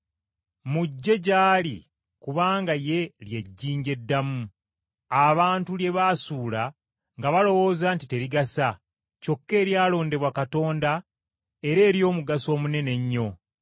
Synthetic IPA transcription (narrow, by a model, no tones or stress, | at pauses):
muɟːe̞ɟaːli | kuβaːŋɡaje̞lje̞ɟːiːɲɟe̞dːamu | aβaːntulje̞βaːsuːla | ŋɡaβalo̞wo̞ːzaːntite̞ɾiɡasa | co̞kːe̞ːɾjaːlo̞ːnde̞βwakato̞ːnda | e̞ɾe̞ːɾjo̞ːmuɡaso̞ːmune̞ne̞ɲːo̞